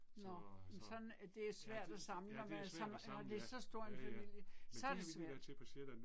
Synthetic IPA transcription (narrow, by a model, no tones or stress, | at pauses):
nnɒmsɒ̽næd̥e̝æsʋæɐ̰d̥æsɑ̈mlənɒmænsɑmnɒd̥e̝æsɒ̽sd̥o̝ɐ̰enfæmil̰jəsɒ̽æɐd̥e̝sʋæɐ̰d̥